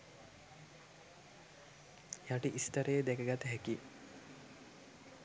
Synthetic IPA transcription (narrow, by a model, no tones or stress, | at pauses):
jaʈiʔist̪əɾəjed̪ɛkəɡat̪əɦɛki